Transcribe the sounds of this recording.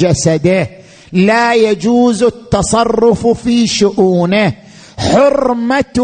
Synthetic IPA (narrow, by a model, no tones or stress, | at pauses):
d͡ʒasad̪ɪ | lajad͡ʒuːzɪt̪ːɑsˤɑrˤːʊffiʃʊʔuːnɪ | ħʊrmat̪